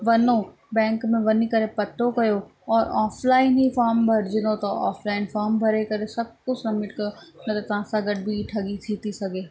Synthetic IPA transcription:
ʋɐno | bɛ̃ːŋkmẽʋɐnikɐɾepɐʈ̪ːokɐjo | ɔːɾaːflaːɪnɦifaːɾmbʱɐɾɪd͡ʑɪnot̪ɐa̰ːflaːɪnfaːɾmbʱɐɾekɐɾesɐb̚ʱkʊt͡ɕɾɐmɪʈ̚kɐjonɐt̪ɐt̪ɐʋ̤ãsãɡɐɖʱbʱiʈʰɐɡit̪ʰit̪ʰisɐɡʱeː

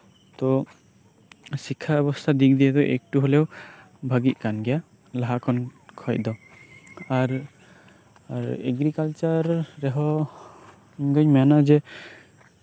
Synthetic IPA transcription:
t̪ɔ | sikʰːaɛbɔst̪ʰad̪ik̚d̪ijɛd̪ɔʔɛ̰k̚ʈuɦɔlɛw | bʱaɡiʔ̪̚ˀkanɡɛja | laɦakʰɔnkʰɔj̚d̪ɔ | aɾ | aɾɛɡɾikalt͡ʃaɾːɛɦɔ | ɡɔɲmɛanad͡ʒɛ

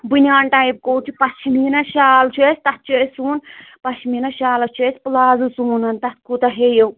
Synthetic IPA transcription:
bɨnʲaːnʈajp̚koːt͡ʃʰipɐt͡ʃʰimiːnɐʃaːlt͡ʃʰesʲt̪ɐt̪̚t͡ʃʰusʲsuːnpɐt͡ʃʰminɐʃaːlɐt͡ʃʰesʲplaːzusuːnɐnt̪ɐt̪̚ʰkut̪ɐɦejow

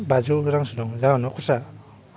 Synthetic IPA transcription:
bazuɾaŋsunɔŋzawnɔkʰɔsa

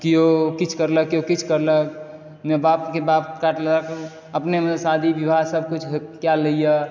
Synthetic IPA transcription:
kijokit͡ʃʰkəɾləkːiokit͡ʃʰkəɾlək̚ | mebapkebapkaʈləək | əpnemeesad̪ʱibibʱasəb̚ʱkut͡ʃʰɦekjaləijə

